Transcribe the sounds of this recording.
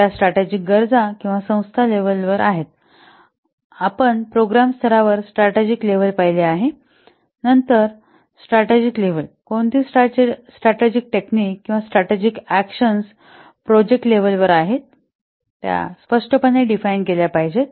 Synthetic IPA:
jasʈɾaʈed͡ʑik̚ɡəɾd͡zakĩw̃ʋasə̃w̃st̪ʰaleʋəlʋəɾʔaɦet̪ | apəɳpɾoɡɾamst̪ʰəɾaʋəɾsʈɾaʈed͡ʑikleʋəlpaɦjleaɦe | nənt̪əɾ | sʈɾaʈed͡ʑikleʋəlkoɳt̪iːsʈat͡ɕesʈɾaʈed͡ʑik̚ʈeknikːĩw̃ʋasʈɾaʈed͡ʑikækɕəns | pɾod͡ʑek̚ʈleʋəlʋəɾaɦet̪̚ | t̪ːja̰spəʂʈəpəɳːeɖifajɳkeljapaɦid͡ʑe

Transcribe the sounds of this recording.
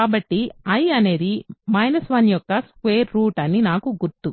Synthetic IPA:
aːbɐʈːiɐjɐne̞ːd̪imɐjnɐsʋaːnijɔkːɐskʋe̞ːɾːuːʈɐnːinaːkuɡuɾt̪u

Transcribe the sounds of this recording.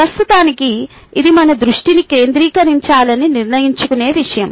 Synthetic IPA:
pɾɐst̪ut̪aːniki | id̪imɐnɐd̪ɾuʂʈinikɾe̞ːnd̪ɾiːkɐɾiɲt͡ʃaːlɐniniɾnɐjiɲt͡ʃukune̞ːʋiʂɐjɐm

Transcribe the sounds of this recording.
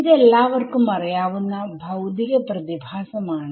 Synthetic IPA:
d̪ɛlːaːʋɐɾkumɐɾɐjaːʋunːɐbʱɐwd̪ikɐpɾɐt̪ibʱaːsɐmaːɳ

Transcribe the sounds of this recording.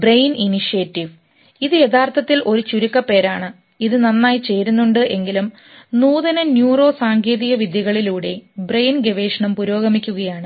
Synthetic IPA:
brejniniʂijetːiʋ | iðɨje̞t̪ʰaːrt̪ʰɐt̪ːilʔo̞ɾut͡ɕuɾukːɐpːe̞ːɾaːɳɨ | iðɨnɐnːaːjit͡ɕe̞ːɾunːuɳɖɨʔe̞ŋɡilum | nuːðɐnɐnjuːro̞ːsaːŋɡʰeːðiɣɐʋid̪jɐɣɐɭiluːɽe̞brejnɡe̞ʋe̞ːʂɐɳɐmpuɾo̞ːɡɐmikʲːuɣɐjaːɳɨ

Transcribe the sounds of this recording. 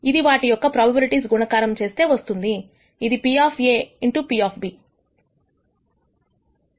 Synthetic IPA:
id̪iʋaːʈijɔkːɐpɾaːbɐbɐɾiʈisɡunɐkaːɾɐmt͡ʃe̞ːst̪e̞ːʋɐst̪und̪iː | d̪ipiaːpʰeːiɳʈupiaːpʰbi

